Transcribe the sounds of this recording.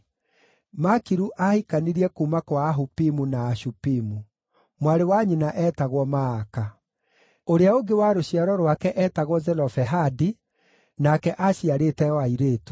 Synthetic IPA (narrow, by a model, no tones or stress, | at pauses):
makiɾuʔahikaniɾiɛkuːmakwaːɦupimunaːʃupimu | mwaɾewaɲinaʔɛtaɣwɔmaːka | oɾeaoɡewaɾoɕiaɾɔɾwakɛʔɛːtaɣwɔzɛlɔfɛɦadi | nakɛʔaɕiaɾetɛwaiɾeːtu̥